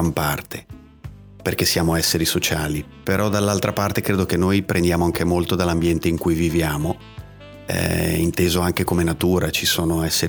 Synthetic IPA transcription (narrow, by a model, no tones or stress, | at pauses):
ampart̪ʰe̥ | perk̟esːjaːmoɛsːeɾisot͡ʃaːli | peɾʔɔd̪alːalt̪ɾʔapart̪ekɾeːd̪ok̟enːojpɾʔend̪jaːmoaŋkemolt̪od̪alːambjɛnt̪eiŋkujvivjaːmo | ɛ̰ḭnt̪eːzoaŋkekomenat̪uːɾat͡ʃisoːnoɛsːe